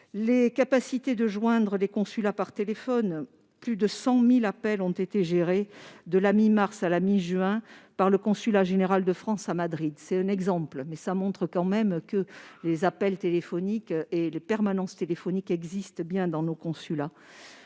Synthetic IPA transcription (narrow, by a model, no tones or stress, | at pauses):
lekapasit̪ed̪əʒwɛ̃d̪ʁəlekɔ̃sylapaʁt̪elefɔn | plyd̪əsɑ̃milapɛlɔ̃t̪et̪eʒeʁed̪əlamimaʁsalamiʒɥɛ̃paʁləkɔ̃sylaʒeneʁald̪əfχɑ̃samad̪ʁid̪sɛt̪ɛ̃nɛɡzɑ̃plmɛsamɔ̃t̪χəkɑ̃mɛmkəlezapɛlt̪elefɔnikelepɛʁmanɑ̃st̪elefɔnikɛɡzist̪bjɛ̃d̪ɑ̃nokɔ̃syla